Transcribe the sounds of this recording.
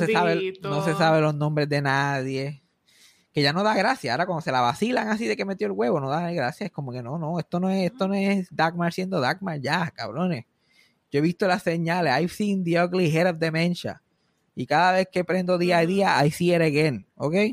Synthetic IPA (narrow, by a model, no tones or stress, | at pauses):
sesaβennosesaβelo̞znõmbɾezðe̞naðje̞ | ke̞ʝano̞ðaɣɾasjaoɾakwand̪ose̞laβasilaŋasiðe̞ke̞me̞t̪joelɣwe̞βo̞no̞ðanijɣɾasjaehko̞mo̞ke̞no̞no̞est̪o̞noeest̪o̞noesd̪aɡmaɾsjend̪o̞ðaɡmaɾʝaka̰βɾo̞nes | ɟ͡ʝo̞eβist̪olasːe̞ɲalesajsind̪iokliɦeɾafd̪e̞mẽnt͡ʃa̰ | ikaðaβe̞skepɾe̞nd̪o̞ðiaiðiaʔajsieɾeɣeno̰kej